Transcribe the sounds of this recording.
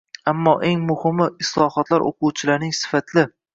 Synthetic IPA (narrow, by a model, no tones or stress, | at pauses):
amːɒʔeŋmʊhɪmɪɪslˠɒhɒt̪laɾʔo̰qʰʊwt͡ʃʰɪlaɾnɪŋsɪ̥fat̪ʰlɪ